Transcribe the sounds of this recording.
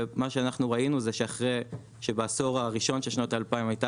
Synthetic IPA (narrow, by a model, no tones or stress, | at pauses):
maʃeanaχnuʁainuzeʃeaχʁej | ʃe̞baso̞ʁaʁiʃo̞nʃeʃnotaːlpaimajta